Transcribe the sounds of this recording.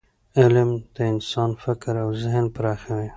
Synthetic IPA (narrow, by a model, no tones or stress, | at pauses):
ɪlmd̪̥əɪnsɑnfɪkɾawzɪɦnpɾɑxawi